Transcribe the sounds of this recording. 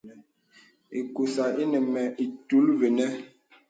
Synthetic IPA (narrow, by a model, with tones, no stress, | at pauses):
e˨ku˨sa˨ʔe˦nə˨mɛ˨i˨tu˨˦lve˨nɛ˦